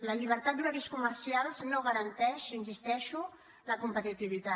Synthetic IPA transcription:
ləʎiβ̞əɾt̪at̪̚d̪unəkiskuməɾsialˠznoɣəɾənt̪ɛʃinsist̪ɛʃu | ləkumpət̪it̪iβ̞it̪a

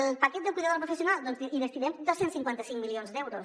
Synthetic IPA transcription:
əlˠpəkɛt̪̚d̪əkwuiðaðoəlpɾufəs̬iunalˠd̪ɔnziiβəst̪iðɛmd̪osensiŋkwant̪əsiŋmilionzd̪ɛwɾos

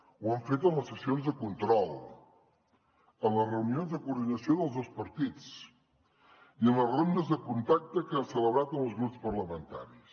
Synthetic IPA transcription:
wəɱfet̪əmləsəsionzðəkunt̪ɾɔlˠ | əmlərəunionzðəkuːɾðinəsioðəlˠzðospəɾt̪it͡s | iəmlərond̪əzðəkunt̪ak̚t̪əkəasələβɾat̪əməlˠzɣɾupspəɾləmənt̪a̰ɾis

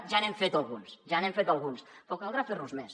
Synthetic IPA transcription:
ʒanemfet̪alˠɣunsʒanẽmfet̪alˠɣunsfokalˠɣɾaferuzmes

